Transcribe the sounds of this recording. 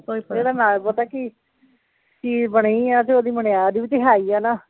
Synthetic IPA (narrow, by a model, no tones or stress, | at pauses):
eːɽaːnaːlbət̪aːki | kibəɽ̃ead͡ʒeoːd̪iːməɳeaːd̪iːʋiːt̪ɪɦaːiːɛːnaː